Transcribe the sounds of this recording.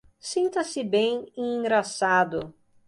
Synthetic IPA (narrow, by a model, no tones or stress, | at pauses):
sĩnt̪ɐsɪbẽj̃ĩɡɾasad̪ʊ